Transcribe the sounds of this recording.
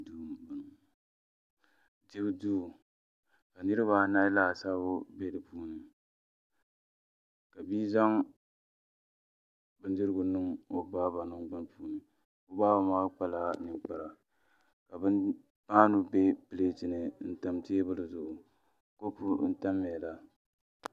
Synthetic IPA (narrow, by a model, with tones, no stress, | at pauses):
duː˦m˨bʊ˨n˨ | d͡ʒɪ˦bɨ˦duː˦˨ | ka˨nɨ˦ɾɨ˦ba˦naː˦laː˦˨saː˦bʊ˦be˦dɨ˨puː˦nɨ˨ | ka˨biː˦za˦ŋ | bɨ˦ndɨ˦ɾɨ˦ɡʊ˨nɨ˦ŋo˦baː˦ba˨nɨ˦ŋɡ͡ba˦n˦puː˦nɨ˨ | o˦baː˦ba˨maː˦k͡pa˦laː˦nɨ˨ŋk͡pa˨ɾa˨ | ka˨bɨ˦n | maː˦nu˨be˦pɨ˨leː˦tɨ˨nɨ˨n̩˦ta˦mteː˦bɨ˦lɨ˨zʊ˨ʔʊ˨ | ko˦pu˦n̩˦ta˦mːɪ˨ɛ˨la˨